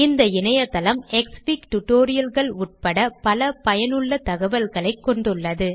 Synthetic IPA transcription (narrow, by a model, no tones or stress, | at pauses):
ɪnd̪ɐɪnɐjɐt̪ɐlɐmɛkspikʈʊʈoːɾɪjɐlɣɐɭʊʈ̚pɐɽɐpɐlɐpɐjɐnɯɭːɐt̪ɐɣɐʋɐlɣɐɭɐɪkːɔɳɖɯɭːɐðɯ